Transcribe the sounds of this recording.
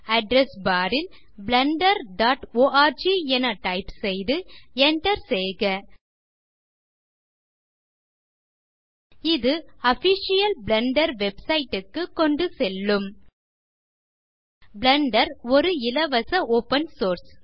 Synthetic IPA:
ɐɖɾɛsbaːɾɪl | blɐɳɖɐɾɖaːʈoːʔaːɾd͡ʒiɛnɐʈɐɪpsɛjðɯɛɳʈɐɾsɛjɣɐ | ɪðɯɐfɪʃɪjɐlblɐɳɖɐɾʋɛbsɐɪʈːɯkːɯkːɔɳɖɯsɛlːɯm | blɐɳɖɐɾɔɾɯɪlɐʋɐsɐoːpɐnsoːɾs

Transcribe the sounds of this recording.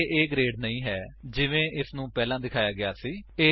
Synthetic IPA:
ʔeːɡɾeːɖnəĩːɦɛːd͡ʒɪʋẽːʔɪsnũːpɛːlãːd̪ɪkʰaːjaːɡɪaːsiːeː

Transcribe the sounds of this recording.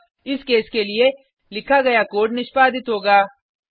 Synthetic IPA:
ɪskeːskelie | lɪkʰaɡɐjakoːɖnɪʃpaːd̪ɪt̪ɦoːɡaː

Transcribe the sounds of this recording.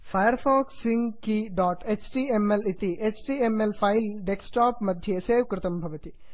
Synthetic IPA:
fajəɾfʰɔːksiŋɡkiɖɔːʈet͡ʃʈiemelit̪iʔet͡ʃʈiemelpʰailɖeksʈaːpmɐd̪ʱjeseːʋkɾɪt̪ɐmbʱɐʋɐt̪i

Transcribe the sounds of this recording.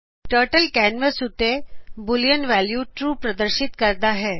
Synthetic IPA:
ʈəɾʈəlkænʋəsut̪ebuljənʋæljuʈɾuːpɾəd̪əɾɕit̪kəɾd̪aɦɛ

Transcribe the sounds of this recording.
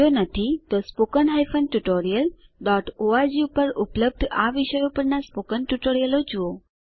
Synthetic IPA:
onat̪ʰit̪ospokənɦajfənʈuʈoɾijəlɖɔʈoad͡ʑiupəɾupləb̚d̪ʱaʋiɕəjupəɾnaspokənʈuʈoɾijəlod͡ʑuo

